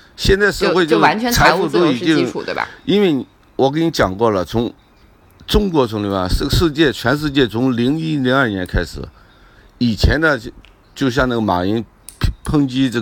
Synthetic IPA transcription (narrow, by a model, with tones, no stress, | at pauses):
ɕjɛ˥˧nt͡sa˥˧ɪʂɻ̩˥˧xwe˥˧ɪjo˥˧a˧˥nt͡ɕʰɛ˧˥t͡sʰa˥ɪ˥fu˥˧t̪o˥i˨˩ḭ˥˨˩i˥nwe˥˩ɪ˧ | wɔ˨˩k̬ni˧˥t͡ɕjɑ˨˩ŋkwɔ˥˩lə˩t͡sʰʊ˧˥ŋ | ʈ͡ʂʊ˥ŋkwɔ˧˥t͡sʰʊ˧˥ŋli˥˩a˥˧˩ʂ̩˥˩˧ʂɻ̩˥˧t͡ɕjɛ˥˩t͡ɕʰɥɛ˧˥nʂ̬ɻ̩˥˧t͡ɕjɛ˥˩t͡sʰʊ˧˥ŋli˧˥ŋi˥li˧˥ŋɐ˞˥˩njɛ˧˥nkʰa˥ɪʂɻ̩̰˨˩˦ | i˨˩t͡ɕʰjɛ˧˥nd̪ə˧ | t͡ɕjo˥˧ʊɕ̬jɑ˥˧ŋna˥˩ɡə˩ma̰˨˩i˧˥nʰ | pʰɤ˥ŋt͡ɕi˥ʈ͡ʂ